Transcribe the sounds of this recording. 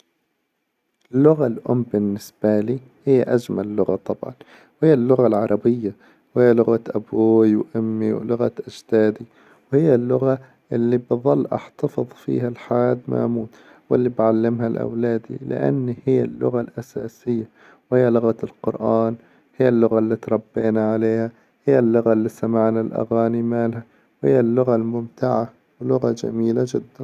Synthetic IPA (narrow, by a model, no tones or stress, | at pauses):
ʔɪlːʊɣalʔʊ̰mbɪnːɪsb̥aliː | hɪjːaʔad͡ʒmallːʊɣat̪ˤɑbʕɑ̰n | whɪjːalːʊɣalʕɑɾˤɑbɪjːa | whɪjːalʊɣaʔabuːjwʔʊmːiwlʊɣaʔad͡ʒt̪aːd̪i | whɪjːalːʊɣa | ʔɪlːibɨðˤɑlːʔɑ̰ħt̪ɑfɨðˤfḭːɦalħaad̪ma̰ʔmuːt̪ | wɪlːibʕalːɪmhalʔa̰wlaːd̪ḭlɪ̰ʔa̰nːhɪjːalːʊ̰ɣalʔasaːsɪjːa | whɪjːalʊɣalqʊɾʔaːn | hɪjːalːʊɣalːit̪ɾˤɑbːeːnaʕaleːha | hɪjːalːʊɣalːisamaʕnalʔa̰ɣaːnimaːlha | whɪjːalːʊɣalmʊmt̪ɪʕa | wlʊɣad͡ʒa̰miːlad͡ʒɪd̪ːan